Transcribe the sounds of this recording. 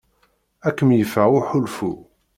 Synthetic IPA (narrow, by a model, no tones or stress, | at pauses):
ækːəmjəfæʊħʊlfṵ